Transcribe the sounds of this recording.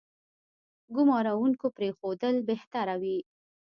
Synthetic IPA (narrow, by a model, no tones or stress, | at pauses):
ɡʊmɑɾawuŋkopɾexod̪əlbeht̪aɾawi